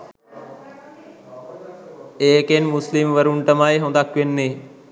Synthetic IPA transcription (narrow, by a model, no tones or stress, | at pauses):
eːkenmʊslimʋəɾuɳʈəmaːeɦõːnd̪aːkenːeː